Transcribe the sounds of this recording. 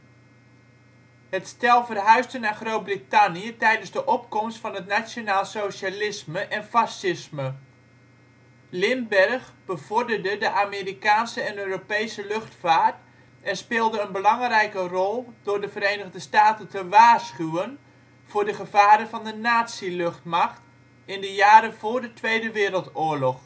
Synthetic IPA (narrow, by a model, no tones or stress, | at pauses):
hətstɛlˠvərɦœɥstənaːχrowt̚britanijətɛjdənzdəʔɔpkɔmstfɑnɦətnasjonaːlˠsowʃalɪsməʔɛnfasɪsmə | lɪmbɛrχbəv̥ɔrdərdədəʔameːrikaːnsəɛnøːropejsəlɵχtfaːrt | ɛnspɪːlˠdəənbəlɑŋrɛjkərɔlˠd̥ʊːɹdəvəɾeːnəɣdəstaːtəntəʋaːsχywən | v̥ʊːɹdəχəv̥aːɾəvɑndənaːtsilɵχtmaχt | ɪndəjaːɾəv̥ʊːɹdətʋeːdəʋɪːɾəlˠtʊːɹlɔχ